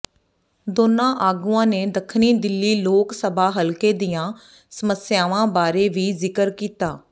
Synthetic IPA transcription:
d̪oːnãːʔaːɡuãːneːd̪əkʰniːd̪ɪlːiːloːksəbʱaːɦəlkeːd̪ijãː | səməsjaːʋãːbaːɾeːʋiːzɪkəɾkiːt̪aː

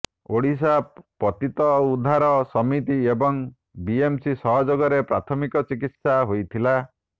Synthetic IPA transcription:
oɽis̬apɔt̪it̪ɔud̪ʱːaɾɔsɔmit̪iebɔŋ | biemsisɔɦɔd͡ʒɔɡɔɾepɾat̪ʰɔmikɔt͡ʃikit̪saɦojt̪ʰila

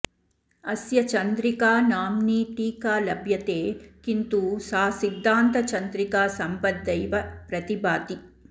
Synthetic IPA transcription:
ɐsjɐt͡ʃɐnd̪ɾikaːnaːmniːʈiːkaːlɐbʱjɐt̪eːkint̪usaːsid̪ʱːaːnt̪ɐt͡ʃɐnd̪ɾikaːsɐmpɐd̪̚d̪ɐjʋɐpɾɐt̪ibaːt̪i

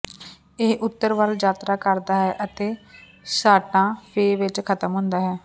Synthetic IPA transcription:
eːʔʊt̪ːəɾʋaːld͡ʒaːt̪ɾaːkəɾd̪aːɦɛːʔət̪eː | saːʈãːpʰeːʋɪt͡ʃkʰət̪əmɦʊ̃nd̪aːɦɛː

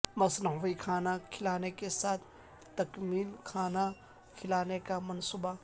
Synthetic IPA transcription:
mɐsnɦʋɐjkʰaːnakʰilanekesat̪ʰ | t̪ɐkmilkʰana | kʰilanekamɐnsuba

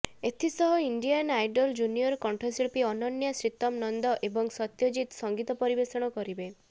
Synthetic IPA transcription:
et̪ʰisɔɦɔiɳɖijanajɖɔld͡ʒunijɔɾkɔɳʈʰɔsiɭpiɔnɔnjasɾit̪ɔmnɔnd̪ɔʔebɔŋsɔt̪jod͡ʒit̪sɔŋɡit̪ɔpɔɾibesɔɽ̃ɔkɔɾibe

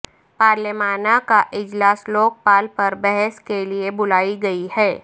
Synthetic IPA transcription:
paːɾlɪmaːnakaʔɪd͡ʒlaːsloːk̚paːlpɐɾbɛɦɛskeliebʊlaːiɡɐihɛː

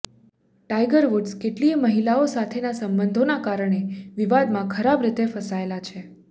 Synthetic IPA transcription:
ʈajɡəɾʋuɖskeʈliməɦilaosat̪ʰenasəmbənd̪ʱonakaɾəɳ̃eʋiʋad̪mãkʰəɾabɾɪt̪efəsaelat͡ʃʰe

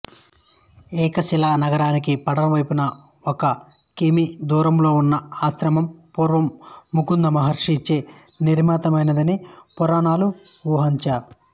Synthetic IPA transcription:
ɛːkɐsilaːnɐɡɐɾaːnikipɐɽɐnɐʋɐjpunɐ | ɔkɐkimid̪uːɾɐmlo̞ːunːɐaːsɾɐmɐmpuːɾʋɐmːukund̪ɐmɐɦɐɾʂiɲt͡ʃeːniɾmaːt̪ɐmɐjnɐd̪ɐnipɔɾaːnaːluʋuːɦɐɲt͡ʃaː

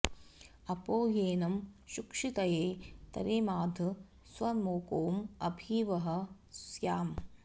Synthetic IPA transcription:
ɐpoːjeːnɐmʃukʂit̪ɐjeːt̪ɐ̰ɾeːmaːd̪ʱɐ | sʋɐmoːkoːmɐbʱiːʋɐɦɐ̆ | sjaːm

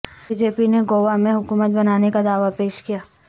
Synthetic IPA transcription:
bid͡ʒeːpineɡoːʋamẽɦʊkuːmət̪̚bɐnaːnekad̪aːʋapeːʃkijaː

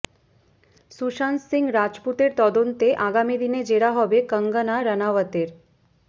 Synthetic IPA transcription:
suʃanssiŋɡɾad͡ʒput̪eɾt̪ɔd̪ont̪eʔaɡamid̪ined͡ʒeɽaɦɔbekəŋɡənaɾənaʋət̪eɾ

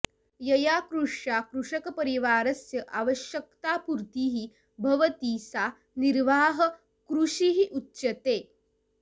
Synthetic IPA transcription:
jɐjakɾuʂjakɾuʂɐkɐpəɾiʋaːɾɐsjɐʔaʋəʃjəkt̪aːpuɾt̪iːɦi | bʱɐʋət̪iːsa | niɾʋaːɦə | kɾuʂiɦiʔutːɕɐt̪eː

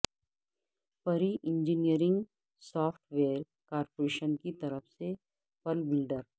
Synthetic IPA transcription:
pɐɾiʔɪ̃ɲd͡ʒinijəɾɪ̃ŋɡ | sɔːfʈʰʋeːɾ | kaːɾpoɾeːʃənkit̪ɐɾəfse | pɐlbɪlɖəɾ

